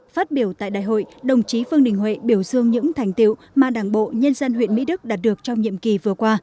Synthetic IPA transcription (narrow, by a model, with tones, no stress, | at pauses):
faː˦˥t̚ɓi˧˩əwt̪a̰ː˧˨jɗa̰ː˧˨jɦo̰˧˨jɗə˨˩wŋ͡mt͡ɕi˨˦fɨ˧əŋɗï˨˩ŋ̟ɦwḛ˧˨ɓi˧˩əwzɨ˧əŋɲɨ̰˧˥ŋt̪ʰɛ˨˩jŋ̟t̪ḭ˧˨w | maː˨˩ɗaː˧˩ŋɓo̰˧˨ɲə˧nzə˧nhwḭ˧˨ənmḭ˧˥ɗɨ˦˥k̚ɗaː˨˩t̚ɗɨ˨˩ək̚t͡ɕɔ˧wŋ͡mɲḭ˧˨əmki˨˩vɨ˨˩əkwaː˧